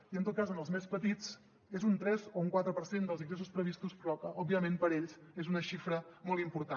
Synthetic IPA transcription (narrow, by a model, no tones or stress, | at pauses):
iənt̪ot̪kazənəlˠzmespət̪it͡s | ezunt̪ɾɛzouŋkwat̪ɾəpəɾsend̪əlziŋɡɾesuspɾəβist̪uspɾɔkəʔɔbːiəmẽnpəɾeʎsezunəʃifɾəmɔlˠt̪impuɾt̪a